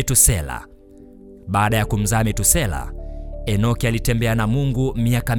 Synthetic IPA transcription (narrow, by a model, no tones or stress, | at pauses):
tusɛla̰ | ɓaːɗajakum̩zaːmɛtusɛla̰ɛnɔkialitɛmbɛanamuŋɡumiakam